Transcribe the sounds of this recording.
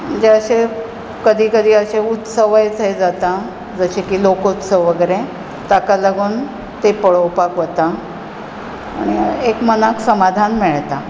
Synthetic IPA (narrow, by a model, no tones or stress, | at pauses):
d͡ʑeəɕe | kəd̪ʱiːkəd̪ʱiːəɕeut̪səʋajt͡sejd͡zat̪a | d͡zəɕekiːlokut̪səʋʋəɡəjɾẽ | t̪akaləɡuːn | t̪epəɭəwpakʋət̪a | ɽ̃iekmənaksəmad̪ʱanmeɭt̪a